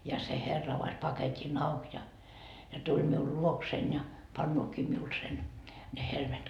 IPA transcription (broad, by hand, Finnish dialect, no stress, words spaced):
jɑ se herːɑ ɑʋɑs pɑketʲin ɑuk jɑ jɑ tulʲ miul luoksein jɑ pɑnːoːkiː miul sen ne helmet